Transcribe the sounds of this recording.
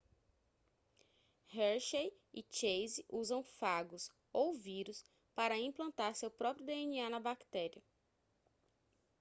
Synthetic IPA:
hɛɾʃej | ɪt͡ʃejziʔuzɐ̃w̃faɡʊs | owviɾʊs | paɾɐĩplɐ̃nt̪aɾsewpɾɔpɾjʊd̪eenianɐbakt̪ɛɾiɐ

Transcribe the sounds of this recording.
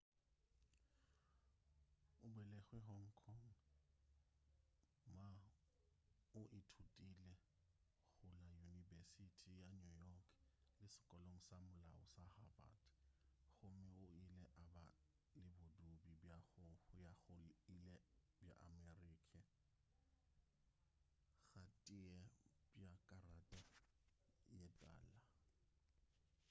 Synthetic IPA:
ʊbwɛlɛɣwɛɦɔŋ̩kʰɔŋ̩ | ma | ʊʔɪtʰutʼilɛ | ɣʊlajunivesitʰijanujɔkʰlɪsɪ̥kʼɔloŋ̩samʊlaʊsahaba̰dɣʊmɪʊɪlɛʔaba | lɪbʊdubibjaɣʊjaɣʊilɛ | bja̰ʔamɛriːkʰɛ | ɣatʼɪɛb̥jakʼaratʼa | jɛtʼa̰ːla

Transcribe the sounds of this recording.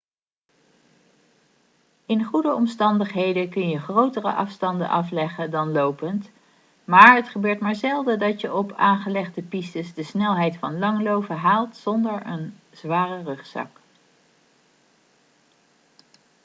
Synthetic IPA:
ɪnχudəɔmstɑndəχɦejdəkɵnjəχrowtərə̰ʔɑfstɑndə̰nʔɑflɛχədɑnlowpənt | maːɹətχəbøːɹtmaːɹzɛlˠdədɑtəʔɔpaːnχəlɛχdəpistəsdəsnɛlˠɦɛjtfɑnlɑŋlowvəɦaːlˠtsɔndəɹən | z̥ʋaːrərɵχsɑ̰k

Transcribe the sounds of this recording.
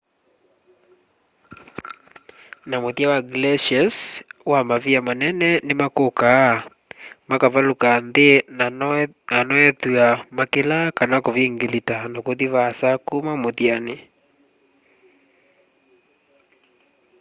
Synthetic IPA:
namoðiawaɡlɛʃaswamaviamanɛnɛnemakoka | makavalukanðe | anɔɛtuamakelakanakoviŋɡelitanakoðivasakumamoðiane

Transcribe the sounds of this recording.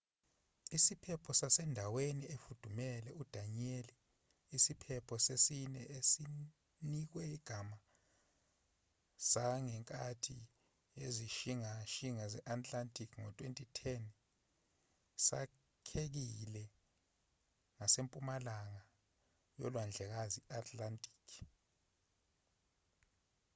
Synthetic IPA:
isipʰɛpʰɔsasɛndʱaweniefud̥ʱumɛlɛud̥ʱanieliː | sipʰɛpʰɔsesinɛesi | nik̬wɛiɡ̥ʱama | saŋɛŋkʼatʰi | eziʃiŋaʃiŋazɛʔatʼlantʼikʰŋɔtʼwentʼitʰɛn | sa̰ | kʰek̬ilɛ | ŋasempʼumalaŋa | jɔ̰lwand͡ɮʱɛk̬aziatʰʼlantʼi̥ːkʰ

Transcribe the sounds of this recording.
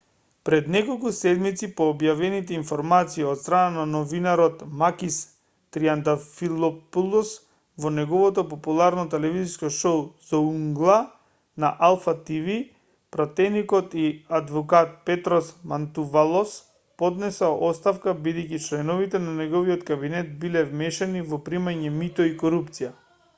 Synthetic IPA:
pɾɛd̪nɛkolˠkusɛd̪mit̪sipɔːbjavɛnit̪ɛinfɔɾmat̪siiɔt̪st̪ɾanananɔvinaɾɔt̪makis | t̪ɾiand̪afilɔpulˠɔs | vɔnɛɡɔvɔt̪ɔpɔpulˠaɾnɔt̪ɛlɛviziskɔʃouzauŋɡlˠa | naʔalˠfat̪ivi | pɾat̪ɛnikɔt̪iad̪vɔkat̪̚pɛt̪ɾɔsmant̪uvalˠɔs | pɔd̪nɛsɛɔst̪afkabid̪ɛjkit͡ʃlɛnɔvit̪ɛnanɛɡɔviɔt̪kabinɛt̪̚bilɛvmɛʃɛnivɔpɾimaɲɛmit̪ɔikɔɾupt̪sija

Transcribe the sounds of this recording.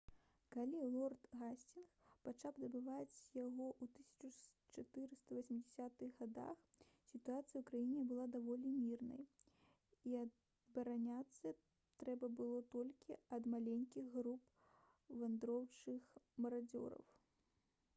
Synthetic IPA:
kalʲilˠɔrt̪ɣasʲt͡sʲinxpat͡ʂawd̪ɐbɨvat͡sʲjaɣɔʔwt̪ɨsʲɐ̥t͡ʂut͡ʂat̪ɨɾɨst̪ɐvɐsʲmʲid͡zʲɪsʲat̪ɨɣːad̪a̰x | sʲit̪uat̪sɨjɐukɾajinʲɛbɨlˠad̪avɔlʲimʲirnɐ̰j | iɐ | bɐɾanʲat̪sːɐ | t̪ɾɛbɐbɨlˠɔt̪ɔlʲkʲiɐd̪malʲenʲkʲiɣɣɾup | vand̪ɾɔwt͡ʂɨxmɐɾad͡zʲɔ̰ɾɐ̰w

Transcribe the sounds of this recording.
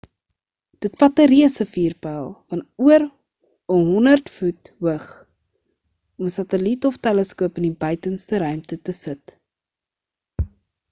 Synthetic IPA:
d̥ətfɐtəɾiəsəfiːrpælˠfɐnuər | ɔmɦɔnərtfutwəχ | ɔməsɐtəlitɔftɛləskuəpənibœɥtənstəɾœɥmtətəsət

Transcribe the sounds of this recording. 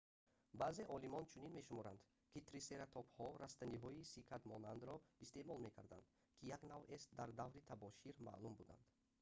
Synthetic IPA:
baːze̞ʔɔlimɔnt͡ʃʰuninme̞ʃumɔɾand̪ | kʰit̪ʰɾise̞ɾat̪ʰɔphɔɾast̪aniɦɔisikʰat̪mɔnand̪ɾɔist̪e̞mɔlme̞kʰaɾd̪a̰nd̪ | kʰijaɡnavest̪d̪aɾd̪avɾit̪ʰabɔʃiɾma̰ːlumbud̪a̰nd̪̥

